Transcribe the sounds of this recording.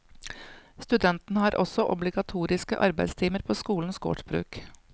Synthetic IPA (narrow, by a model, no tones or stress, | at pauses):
st̪ʉd̪ɛnt̪n̩hɑːɾʔɔsɔʔɔ̰blɪɡɑt̪ʰuːɾɪskəʔɑɾbæɪd̪st̪ʰiːməɾpʰoːskuːln̩sɡo̰ʈbɾʉ̰ːk